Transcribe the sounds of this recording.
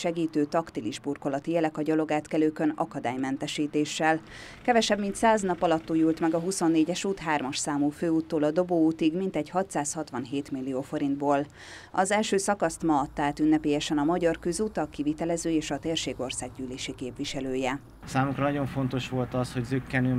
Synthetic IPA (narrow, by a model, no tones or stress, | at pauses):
ʃɛɡiːt̪øːt̪ɒkt̪iliʒburko̞lɒt̪ijɛlɛkɒɟɒlo̞ɡaːt̪kɛløːkønɒ̰kɒd̪aːjmɛnt̪ɛʃiːt̪eːʃːɛl | kɛvɛʃɛbmint̪saːznɒpɒlɒt̪ːujɲuːlt̪mɛɡɒɦuso̞nːeːɟɛʃuːt̪ɦaːrmɒʃsaːmuːføːuːt̪ːoːlɒd̪o̞boːuːt̪iɡmint̪ɛɟhɒt̪saːshɒt̪ʋɒnɦeːt̪milːijoːfo̞ɾind̪boːl | ɒzɛlʃøːsɒkɒst̪mɒːt̪ːaːt̪ynːɛpeːjɛʃɛnɒmɒɟɒrkøzuːt̪ɒkivit̪ɛlɛzøːeːʃɒt̪eːrʃeːɡo̞rsaːɡ̚ɟyːleːʃikeːpʋiʃɛløːjɛ | saːmukɾɒnɒɟo̞ɱfo̞nt̪o̞ʃʋo̞lt̪ɒsho̞ɟzøkːɛnøː